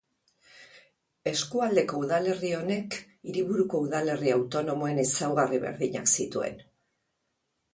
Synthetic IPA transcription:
e̞skuald̪e̞ko̞uðale̞rio̞ne̞k | iɾiβuɾuko̞uðale̞riawt̪o̞no̞mo̞e̞nisawɣariβe̞̰ɾðiɲa̰ksit̪ue̞̰n

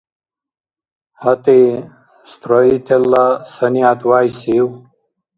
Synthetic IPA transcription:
hɐt̪e | st̪ɾoit̪ʰelːasɐnijaːt̪waːjsiw

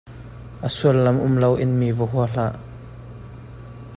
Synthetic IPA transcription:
ʔəsuəlːɐmʔʊmlɐwʔɪnmivɔɦuɐl̥aʔ

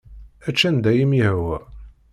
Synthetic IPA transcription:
æt͡ʃːænd̪æjimjəhwæ

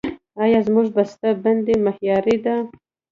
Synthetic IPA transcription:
ɑjɑzmuʐbast̪aband̪emahjɑɾid̪a

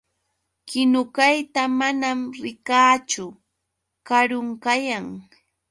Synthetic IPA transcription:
kɪnʊkajt̪amanamɾɪkaːt͡ʃʊ | kaɾʊŋkajaŋ

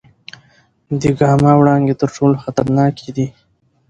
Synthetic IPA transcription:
d̪əɡɑmɑwɽɑnɡ̪et̪əɾʈoloxat̪aɾnɑkʰed̪i

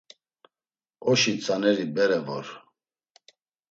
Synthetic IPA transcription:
ɔʃit͡sʼanɛɾibɛɾɛvɔɾ

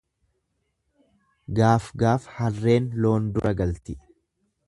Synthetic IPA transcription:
ɡaːfɡaːfhɐrːe̞ːnlo̞ːnd̪ʊɾʔɐɡɐlt̪ɪ

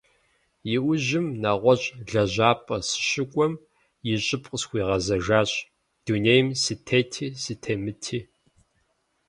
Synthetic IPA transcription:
jɪʔʷʊʑɪmnaʁʷɔɕʼɮɐʑaːpʼɐsɨ̥ʃɨkʷʼɔm | jɪɕʼɪpʼqʼəsxʷiːʁɐzɐʒaːɕʼ | d̥uːnejmsɨtʰeːtʰiːsɨtʰeːmɨtʰiː

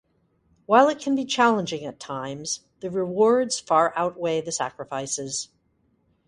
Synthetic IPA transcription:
waɪlˠɨt̚kʰɨ̃n̩bit͡ʃʰælˠə̃nd͡ʒɪ̃ŋɨtʰãɪ̃mz̥ | ðɨɹɨwɔɹdz̥fɑɹʔaʊt̚weɪðɨsæ̰kɹɨfaɪsɪz̥

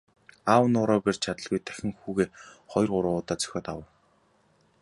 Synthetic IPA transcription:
aːwənʊːɾɔːpert͡ɕʰat̪ə̆ɮɣujt̪ʰæ̥xʲɪ̆ŋxuːɣeːχɔjɞ̆rʁʊɾʊːʊːt̪aːt͡sœ̥xʲɔːt̪awə̆w

